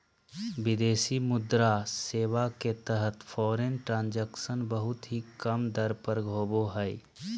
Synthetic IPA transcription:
bɪd̪eːsimʊd̪ɾaseːwaket̪əɦət̪pʰɔːɾenʈɾãːnd͡ʒəksənbəɦʊt̪ɦikəmd̪əɾpəɾɡʱoːboɦɛɪ

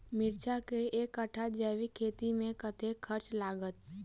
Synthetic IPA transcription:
mɪɾt͡ʃʰakeʔeːkːəʈʰad͡ʒɛːʋikʰeːt̪imẽkət̪ekkʰːəɾt͡ʃlaːɡət̪

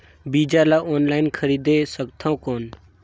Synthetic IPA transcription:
biːd͡ʒaːlaːoːnlaːɪnkʰəɾiːd̪eːsəkt̪ʰãũkoːn

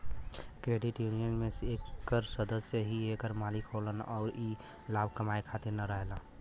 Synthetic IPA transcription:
kɾeːɖɪʈjunijənmẽsekːəɾsəd̪əsjəɦiekəɾmalikɦolənɔ̰ːɾiː | laːbʱkəmaekʰat̪ɪɾnəɾəɦela

